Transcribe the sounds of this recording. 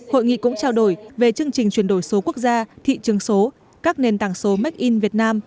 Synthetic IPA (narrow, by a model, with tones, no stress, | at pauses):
ho̰˧˨jŋḭ˧˨kʊ̰˧˥ŋ͡mt͡ɕaː˧wɗo˧˩jve˨˩t͡ɕɨ˧əŋt͡ɕï˨˩ŋ̟t͡ɕwi˧˩ənɗo˧˩jso˨˦ku˦˥ək̚zaː˧t̪ʰḭ˧˨t͡ɕɨ˨˦əŋso˨˦ | kaː˦˥k̚ne˨˩nt̪aː˧˩ŋso˨˦ma˦˥k̚ʔi˧nvi˨˩ət̚naː˧m